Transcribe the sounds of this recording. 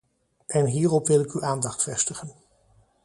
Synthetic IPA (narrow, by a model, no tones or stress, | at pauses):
ʔɛnɦiːrɔpʋɪlɪkyʔaːndɑχtfɛstəχən